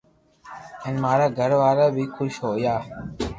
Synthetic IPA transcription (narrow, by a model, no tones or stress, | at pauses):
ɪnmaːɾaːɡʱəɾʋaːɾaːbʱiːkʰʊʃɦoːjaː